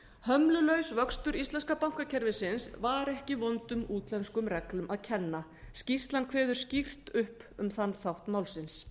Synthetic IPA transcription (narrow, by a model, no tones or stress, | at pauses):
hœmlʏlœɥsvœkst̪ʏɾist̪ɛnskapawŋ̥kacʰɛɾvɪsɪnsvaɾɛhcɪvɔnt̪ʏmuːt̪lɛnskʏmrɛklʏmaðcʰɛnːa | scist̪lankʰvɛːðʏɾ̥scir̥t̪ʏhpʏmθanːθawht̪maːwlsɪns